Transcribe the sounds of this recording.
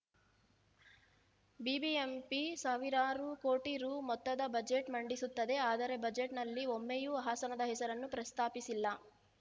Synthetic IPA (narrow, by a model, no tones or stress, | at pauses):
bibiempisaːʋiɾaːɾuko̞ːʈiɾuːmɔt̪ːɐd̪ɐbɐd͡ʒeʈmɐɳɖisut̪ːɐd̪e̞aːd̪ɐɾe̞bɐd͡ʒeʈnɐlːiomːejuɦaːsɐnɐd̪ɐɦɛsɐɾɐnːupɾɐst̪ʰaːpisilːɐ